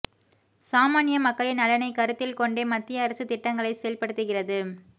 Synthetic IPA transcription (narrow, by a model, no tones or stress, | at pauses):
saːmaːnɪjɐmɐkːɐɭɪnɐlɐnɐɪkɐɾɯt̪ːɪlkɔɳɖeːmɐt̪ːɪjɐːɾɐsɯt̪ɪʈːɐŋɡɐɭɐɪsɛjɐlpɐɽɯt̪ːɯɣɪrɐðɯ